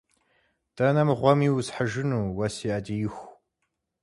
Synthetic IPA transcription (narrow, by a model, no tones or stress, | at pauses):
d̥ɐnɐmʁʷɔmiːwzħəʒɪnuːwɐsiːʔɐdijɪxʷ